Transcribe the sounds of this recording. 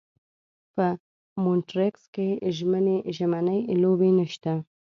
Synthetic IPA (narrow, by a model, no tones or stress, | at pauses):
pə | monʈɾekskeʒməneʒamanəjlobenəʃt̪a